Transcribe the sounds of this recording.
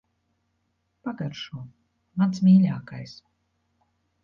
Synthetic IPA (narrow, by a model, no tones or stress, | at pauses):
paɡaɾʃuɔ | mansmʲiːlʲaːkajs